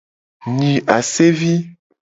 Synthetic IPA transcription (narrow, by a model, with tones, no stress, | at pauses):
ɲĩ˨ʔa˨se˦vi˦